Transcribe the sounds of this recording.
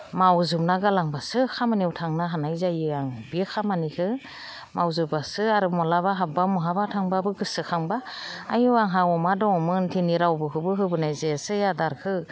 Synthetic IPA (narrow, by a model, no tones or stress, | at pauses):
mawzɯp̚naɡalaŋbasɯkʰamaniwtʰaŋnaɦanajzajɯaŋbikʰamanikʰɯ | mawzɯbasɯaɾɯmɔlabaɦap̚bamɔɦabatʰaŋbabɯɡɯsɯkʰaŋbaajɯaŋɦawɔmadɔɔmɯntʰiniɾawbɯɦɯbɯɦɯbɯnajzesɯjadaɾkʰɯ